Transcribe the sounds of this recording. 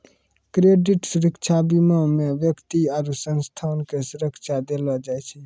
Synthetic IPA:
kɾeɖiʈsuɾəkt͡ʃʰabiməmeʋjəkt̪iaːɾusənst̪ʰaːnkesuɾəkʃʰad̪eləd͡ʒajt͡ʃʰɛ

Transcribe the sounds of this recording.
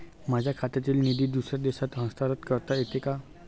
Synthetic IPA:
mad͡ʑʱjakʰat̪at̪iːlnid̪iːd̪usad̪eɕat̪ɦə̃st̪aɾət̪kəɾt̪aet̪eka

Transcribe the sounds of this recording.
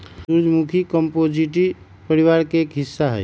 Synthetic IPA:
uɾd͡ʒʱmukʰikɔmpod͡ʒiʈi | pəɾiwaɾkeːkɦisːaɦɛj

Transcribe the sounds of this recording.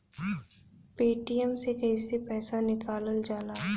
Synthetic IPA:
peːʈijəmsekɐɦisepɛːsanɪkaːləld͡ʒaːlaː

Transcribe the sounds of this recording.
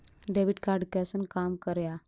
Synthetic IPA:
ɖeʋiʈkaɾɖkɛsənkamkəɾja

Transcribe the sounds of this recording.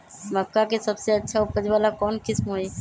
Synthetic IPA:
məkkːakesəbseətːʃʰaʊpːəd͡ʒʋaːlakɔːnkɪsmɦoi

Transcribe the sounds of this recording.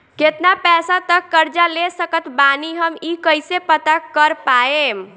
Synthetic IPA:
ket̪napɛsat̪əkːəɾd͡ʒalesəkət̪baniɦəmikəjsepət̪akəɾpaem

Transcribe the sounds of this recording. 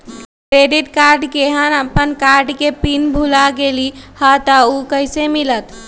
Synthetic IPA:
kɾeɖit̪kaɾɖkeɦənəpːənkaɾɖkepinbʱulaɡelihət̪əukəjsemilət̪

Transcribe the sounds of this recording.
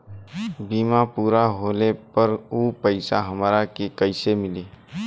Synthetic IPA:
biːmapuːɾaɦoːlepəɾuːpəɪsaɦəmaːɾakekəɪsemɪleː

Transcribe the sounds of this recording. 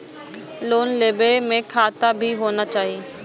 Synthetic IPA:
loːnleːbemẽkʰaːt̪abʱiɦoːnat͡ʃaːɦie

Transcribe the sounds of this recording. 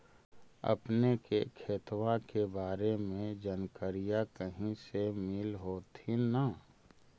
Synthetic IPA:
ɐ̰pnekekʰeːt̪wakebaːɾemẽd͡ʒɐnkəɾijakəɦĩsemɪlɦoːt̪ʰina

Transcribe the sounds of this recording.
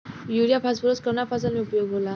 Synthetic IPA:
juɾijapʰasbəɾoskəmnapʰasalmiupəjoɡɦola

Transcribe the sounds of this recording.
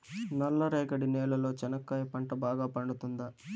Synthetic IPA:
nɐlːɐɾeːɡɐɽinɛːlɐlo̞ːt͡ʃɐnɐkːɐjpɐɳʈɐbaːɡaːpɐɳɖut̪und̪ɐ

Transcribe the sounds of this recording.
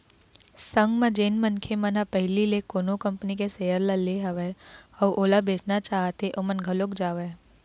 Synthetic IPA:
sə̃ŋɡmẽd͡ʒeːnmənkʰemənapɛɦɪlilekoːnokɐ̃mpnikesejəɾlaleɦɐʋeɔːɾʔoːlabeːt͡ʃnat͡ʃaːɦt̪eʔomənɡʱɐlokd͡ʒaːʋeː

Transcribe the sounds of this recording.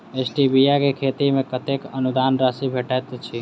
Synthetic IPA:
esʈibijakekʰet̪imekət̪ekənud̪anɾasibʱeʈajt̪t͡ʃʰi

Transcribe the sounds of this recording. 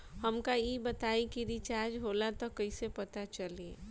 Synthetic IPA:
hɐmkajebɐt̪aːikiɾit͡ʃaːɾd͡ʒɦoːlat̪okɐisepɐt̪at͡ʃɐleː

